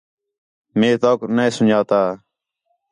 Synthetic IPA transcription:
meːt̪oːknəĩːsʊnd͡ʒʱaːt̪aː

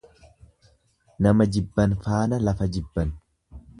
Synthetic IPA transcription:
nɐmɐd͡ʒɪbːɐnfaːnɐlɐfɐd͡ʒɪbːɐn

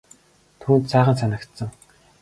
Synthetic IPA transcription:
t̪ʰuːnt̪saːʁə̆nsanə̆kt̪sə̆ŋ

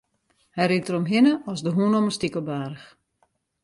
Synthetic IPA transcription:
hɛjɾitəromɦɪnəɔsdəɦuənɔməstikəbaːɾəx

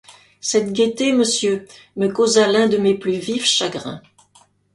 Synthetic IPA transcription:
sɛt̪ɡʲet̪eməsjø | məkozalɛ̃d̪əmeplyvifʃaɡʁɛ̰̃

